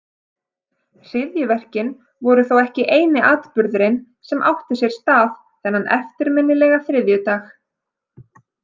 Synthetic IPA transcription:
r̥ɪðjʏvɛr̥cɪn | vɔɾʏθowɛhcɪʔeːjnɪʔaːt̪pʏɾðʏɾɪn | sɛmʔa̰wht̪ɪsjɛɾ̥st̪aːð | θɛnːanʔɛ̰ft̪ɪɾmɪnːɪlɛɣaθɾɪðjʏt̪aːx

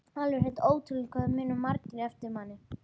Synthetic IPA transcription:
θaːlʏɾhej̪t̪oːwt̪ʰɪlɪkʰœðmɪnʏmaɾc̪ɪɾɛft̪ɪɾmanːɪ

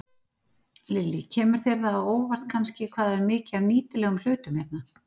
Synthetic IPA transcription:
lɪlːicʰɛːmʏɾ̥θɛɾðaːoːwvar̥t̪kʰanscɪkʰvaːðaɛɾmɪːcɪavniːt̪ɪlɛɣʏml̥ʏːt̪ʏmhɛɾt̪na

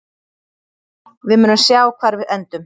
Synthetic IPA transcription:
vɪðmʏːnʏmsjaːwkʰvaɾvɪðɛnt̪ʏm

